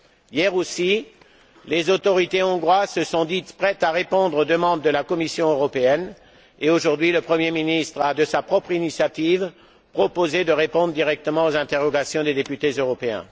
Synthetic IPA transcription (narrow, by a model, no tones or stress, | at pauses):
jɛʁosi | lezot̪ɔʁit̪eɔ̃ɡʁwazsəsɔ̃d̪it̪pχɛt̪aʁepɔ̃d̪ʁod̪əmɑ̃d̪ːəlakɔmisjɔ̃øʁɔpeɛn | eoʒuʁd̪ɥiləpχəmjeminist̪χad̪əsapχɔpχinisjat̪iv | pχɔpozed̪əʁepɔ̃d̪ʁd̪iʁɛk̚t̪əmɑ̃ozɛ̃t̪eʁɔɡasjɔ̃d̪ed̪epyt̪ezøʁɔpeɛ̰̃